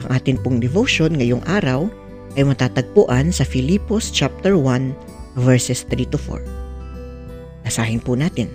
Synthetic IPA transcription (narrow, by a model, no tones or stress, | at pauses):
ʔɐŋʔaːt̪ɪnpʊŋd̪ɛvowʃonŋɐjoŋʔaːɾɐw | ʔɐjmɐt̪aːt̪ɐɡ̚pʊʔansɐfɪlipost͡ʃap̚t̪ɛɹwan | vɛɹsɛst̪ɾit̪ʊfo̰ɹ | nɐsaːhɪnpʊnaːt̪ɪn